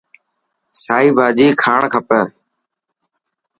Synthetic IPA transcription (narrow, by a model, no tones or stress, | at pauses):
saːiːbʱaːd͡ʒiːkʰaːɳkʰəpəː